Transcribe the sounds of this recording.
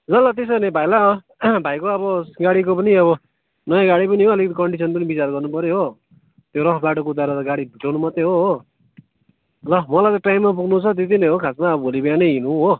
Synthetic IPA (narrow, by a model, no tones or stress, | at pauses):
zʌlʌt̪̬es̬ʌnebʱajla | bʱajkoʌbʌɡaɽikopʌniʌβʌ | nʌjãɡaɽipʌniɦoʌlikʌt̪ikʌɳɖisʰʌnpʌnibit͡sarɡʌrnupʌɾjeɦo | t̪joɾʌkʰbaʈokout̪aɾʌt̪ʌɡaɽibʱiʈawnumʌt̪eɦoɦo | lʌmʌlajt̪ʌ̃ʈajmːap̬uɡnut͡sʰʌt̪̬et̪̬inʌjɦokʰasmaʌbʌbʱolibjanʌjɦinuɦo